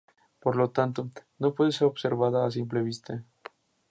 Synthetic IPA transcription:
po̞ɾlo̞t̪ant̪ono̞pwe̞ðeseɾo̞βse̞ɾβaðaːs̬imple̞β̞ist̪e

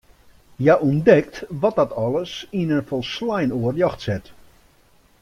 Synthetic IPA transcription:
jaʔundɛk̚tʋɔt̚dɔtɔlˠəsinənfɔlˠslajnoərjɔxtsɛt

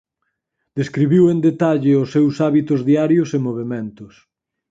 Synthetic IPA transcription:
d̪̥eskɾiβiwend̪et̪aʎɪʊsːewsaβit̪ʊzðiaɾjʊsemoβ̞emẽnt̪ʊs

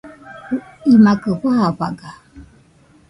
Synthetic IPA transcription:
imakɨhahaɸa̰ɡa

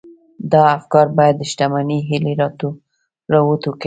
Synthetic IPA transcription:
d̪ɑafkɑɾbɑjad̪ːəʃʈamaniɦɪleɾɑt̪o | ɾɑwot̪wəki

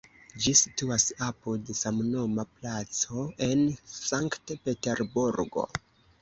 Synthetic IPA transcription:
d͡ʒisi̥tuasapodesamnomaplat͡so̞e̞nsaŋktpe̞te̞ɾbuɾɡo̞̰

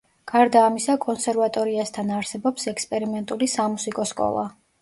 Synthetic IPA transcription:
ɡ̥aɾd̪aːmisakʼɔnsɛɾvat̪ʼɔɾiast̪ʰanaɾsɛbɔpsɛkspʼɛɾimɛnt̪ʼulisamusikʼɔskʼɔ̰lˠa̰

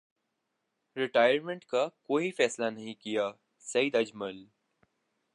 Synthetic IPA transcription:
ɾɪʈaːjəɾmẽɳʈkakoːifɛːslanɐɦĩkija | sɐid̪ɐd͡ʒməl

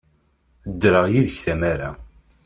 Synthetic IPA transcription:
əd̪ːɾəʁjiðəçθæmaɾa

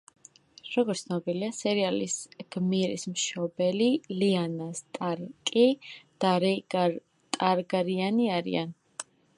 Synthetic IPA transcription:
ɾɔɡɔɾt̪snɔbiliasɛɾialḭsɡ̥miɾḭsmʃɔbɛlilianast̪ʼaɾkʼid̪̥aɾ | t̪ʼaɾɡaɾianiaɾḭa̰n

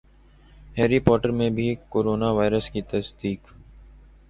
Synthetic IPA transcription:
hɛːɾipɔːʈəɾmẽbʱikoːɾoːnaʋaːɪɾəskit̪ɐsd̪iːk

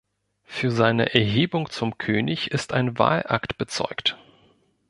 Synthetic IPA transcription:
fyːɐzaɪnə̰ʔɛɐɦeːbʊŋt͡sʊmkʰøːnɪçɪstaɪnva̰ːlʔa̰ktb̥ət͡sɔ̰ʏkt

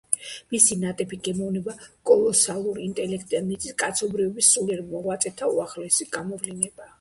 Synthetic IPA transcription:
misinat̪ʼɛbʰiɡɛmɔvnɛbakʼɔlˠɔsalˠuɾiint̪ʼɛlɛkʰt̪ʼianit̪sʼiskʼat̪sʰɔbɾivɛbisːulɛɾmɔʁwat̪sʼɛt̪ʰauaχlɛsiɡamɔvlinɛba

